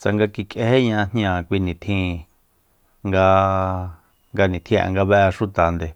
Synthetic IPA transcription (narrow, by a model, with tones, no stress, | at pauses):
t͡sa˨ŋɡa˧ki˧kʼe˧he˦ɲã˧n̥j̃ã˧˨kʷi˧nĩ˨t̪ʰĩ˧ | ŋɡa˧ | ŋɡa˧nĩ˨t̪ʰĩ˦˨ʔa̰˨ŋɡa˧βɛ˧ʔʃu˦t̪a˨nd̪e˨